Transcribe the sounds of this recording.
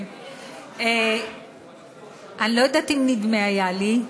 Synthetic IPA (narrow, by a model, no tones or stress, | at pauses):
e | anilo̞jad̪at̪imnid̪meajali